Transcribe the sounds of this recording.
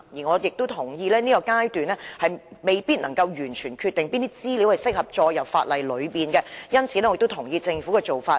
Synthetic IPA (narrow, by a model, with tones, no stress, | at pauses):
jiː˨˩ŋɔː˨˧jɪ˨k̚t̪o˥wt̪ʰʊ˨˩ŋjiː˧lɛː˥niː˥kɔ˧kaː˥jt̪yː˨nlɛː˥hɐ˨jme˨jpiː˥t̚nɐ˨˩ŋkɐ˧wjyː˨˩nt͡ʃʰyː˨˩nkʰyː˧t̪ɪ˨ŋpiː˥nt̪i˥t͡siː˥li˨˥whɐ˨jsɪ˥k̚hɐ˨p̚t͡ʃɔː˧jːɐ˨wfaː˧t̚lɐ˨˩jlɵ˨˧ɥpiː˨nkɛ˧jɐ˥nt͡sʰiː˨˩ɛ˥ɔ˧˨kt̪o˥t̪ʰʊ˨˩ŋjiː˧t͡sɪ˧ŋfuː˨˥kɛː˧t͡so˨wfaː˧